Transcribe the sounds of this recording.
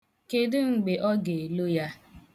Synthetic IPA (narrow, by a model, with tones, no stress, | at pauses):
ke˨dɪ˦ŋ͡m̩˨ɡ͡be˨ʔɔ˦ɡe˨lo˦ja˦